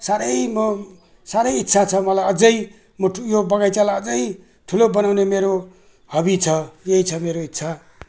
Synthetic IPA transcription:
saɾʌjmʌ | saɾʌjit̪ːsʰat͡sʰʌmʌlajʌd͡zʌj | mʌjobʌɡajt͡salaʌd͡zʌj | ʈʰulobʌnawnemeɾo | hʌbit͡sʰʌjeit͡sʰʌmeɾoitːt͡sʰa

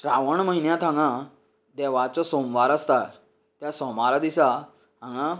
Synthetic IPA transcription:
ʈɾaʋəɳməɦinjãt̪ãŋɡã | d̪ɛʋat͡sasomʋaɾəst̪aɾ | t̪jasɔmaɾad̪isa | ɦãŋɡã

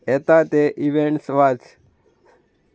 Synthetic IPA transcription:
et̪at̪eʔiʋeɳʈsʋat͡s

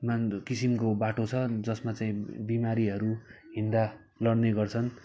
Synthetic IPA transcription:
makisimkobaʈot͡sʰʌd͡zʌsmat͡saĩbimaɾiɦʌɾuɦind̪a | lʌɽneɡʌrt͡sʰʌn

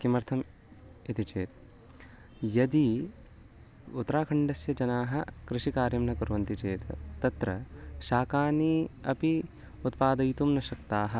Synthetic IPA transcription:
kimɐɾt̪ʰɐm | it̪it͡ʃeːt̪ | jɐd̪i | ut̪ːɐɾaːkʰɐɳɖɐsjɐd͡ʒɐnaːɦɐkɾɪʃikaːɾjɐmnɐkuɾʋɐnt̪it͡ʃeːt̪ːɐt̪ɾɐʃaːkaːniːɐpi | ut̪paːd̪ɐjt̪umnɐʃɐk̚t̪aːɦɐ̆

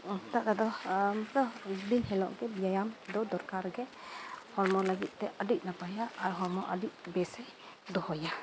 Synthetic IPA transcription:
t̪aʔkad̪ɔmtɔbinɦɛlɔʔɡɛbijajamd̪ɔd̪ɔɾkaɾɡɛhɔɹmɔlaɡit̪̚ˀt̪ɛʔədik̚napajaːɾɦɔɹmɔʔədik̚bɛsɛ | d̪ɔhɔja

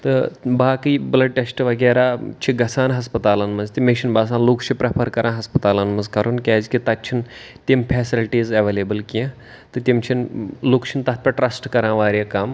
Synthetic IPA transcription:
t̪ɨbaːkɨjblɐɖ̚ʈesʈʋɐɡeːɾaːt͡ʃʰiɡɐsʰaːnɦɐspɐt̪aːlɐnmɐnzt̪imet͡ʃʰinbaːs̬ãːnluːkt͡ʃʰipɾɐpʰɐɾkɐɾʔãːɦɐspɐt̪aːlɐnmɐnzkɐɾunkʲaːzkit̪ɐtːt͡ʃʰin | t̪impʰɛːsilʈiːzɐʋeːleːbɨlkiẽ | t̪ɨt̪ʲimt͡ʃʰinluːkt͡ʃʰint̪ɐt̪̚ʰpʲɐʈɾɐsʈkɐɾãːʋaːɾʲekaːm

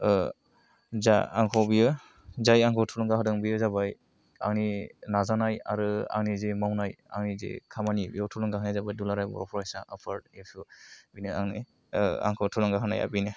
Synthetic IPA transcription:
zaa̰ŋkʰɔbijɯ | zajaŋkʰɔwtʰulɔŋɡahɯdɯŋbijɯzabaj | a̰ŋninazanaja̰ɾɯa̰ŋnizimawnaja̰ŋnizḭkʰamanibijɔwtʰulɔŋɡaɦanajzabajdulaɾajbɔ̰ɾɔpʰɔɾajsaŋʔa̰pʰaɾd̚epʰubinɯaŋni | a̰ŋkʰɔwtʰulɔŋɡaɦɯna̰ja̰binɯ

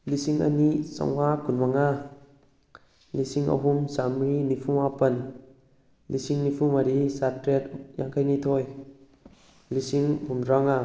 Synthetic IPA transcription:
lisiŋa̰nisa̰ŋakunmaŋa | lisiŋʔə̰ɦumsamɾinipʰumapɐn | lisiŋnipʰumaɾisatɾɛt̚ja̰ŋkʰajnit̪ʰɔj | lisiŋɦumɾaŋa

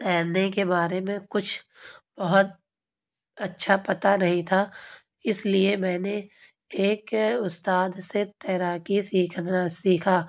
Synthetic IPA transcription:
t̪ɛːɾnekebaːɾemẽkʊt͡ʃʰb̥ɐɦʊt̪̚ | ɐtːʃʰapɐt̪anɐɦĩt̪ʰaː | ɪsliemɛ̃ːne | eːkʊst̪aːd̪set̪ɛːɾaːkisiːkʰasiːkʰaː

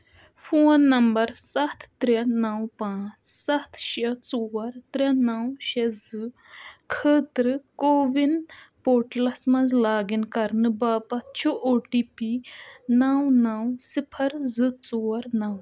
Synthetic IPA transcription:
fʰoːnːɐmbɐɾsɐt̪ʰːɾɛnɐwpãːt͡ʃsɐt̪ʰʃɐt͡soːɐɾt̪ɾɛnɐwʃɛzɨ | kʰəːt̪ɾɨkoːʋinpoːɾʈlɐsmɐnzlaːɡinkɐɾnɨbaːpɐt̪t͡ʃʰuʔoːʈipinawnɐwsipʰɐɾzɨt͡soːɐɾnɐw

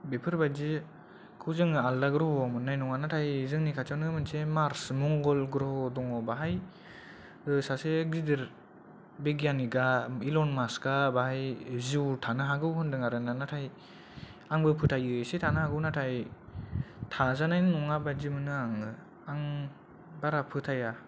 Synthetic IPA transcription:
bepʰɯɾbad͡ʒi | kʰɯwzɯŋaldaɡɾɔhɔamɯnːajnɔŋanatʰajzɯŋnikʰat͡ʃawnɯmɯnsemaɾsmɔŋɡɔlɡɾɔhɔdɔŋɔbaɦaj | ɯsaseɡzidɯɾ | beɡijaniɡailɔnmaskabahajziwtʰanɯɦaɡɯwhɯndɯŋaɾɯnanatʰaj | aŋbɯpʰɯtʰajɯsetʰanɯhaɡɯwnatʰaj | tʰazanajnnɔŋabad͡ʒimɯnɯaŋɯ | aŋ | baɾapʰɯtʰaja

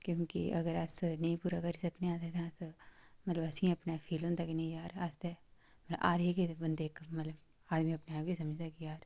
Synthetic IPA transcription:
kjõːkḭʔɐ̰ɡəɾɐsnɐĩpuːɾakɐɾisɐkʰneaːt̪et̪ʰãsmɐt̪ləbɐsĩɐpnafʰiːlõːnt̪akinɐĩjaːɾaːst̪e | mɐt̪lɐba̰ːɾeːkebɐnd̪eːkmɐt̪ləb | aːd̪mĩɐpnaakisɐməd͡ʒʱt̪akijaːɾ

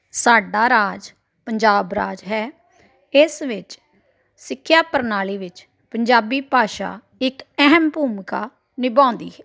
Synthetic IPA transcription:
saːɖaːɾaːd͡ʒ | pəɲd͡ʒaːbɾa̰ːd͡ʒɦɛː | ɪsʋɪt͡ʃ | sɪkʰːjaːpəɾnaːliːʋɪt͡ʃ | pəɲd͡ʒaːbiːpaːʃa̰ː | ɪkɛɦəmbuːmka̰ː | nɪbãːnd̪ḭːɦɛː

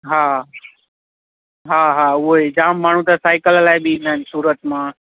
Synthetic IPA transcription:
ɦaː | ɦaːɦaːʊɦoed͡ʑaːmːaːɳ̤ũt̪asaːɪkəllaːɪbɪɪ̃nd̪aːɪnsuːɾət̪mãː

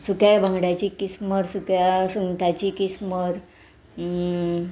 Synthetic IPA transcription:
sukjabʱãŋɡɽjat͡ɕikisməɾsukjasuŋʈat͡ɕikisməɾ

